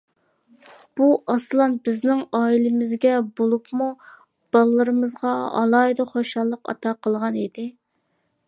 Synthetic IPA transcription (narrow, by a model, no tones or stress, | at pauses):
b̥uʔɑslˠɑnbɪznɪŋɑːilɪmɪzɡʲɛbolˠupmu | b̥ɑlˠɨlːˠɨɾɨmɨzʁɑɑ̰lˠɑjd̪ɨχoʃɑlˠːəqɑ̰t̪ʰɑqʰəlˠʁɑnid̪ɪ